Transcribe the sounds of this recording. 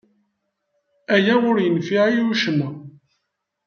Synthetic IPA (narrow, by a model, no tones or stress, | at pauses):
æjæwʊɾjənfiʕiuʃəmːu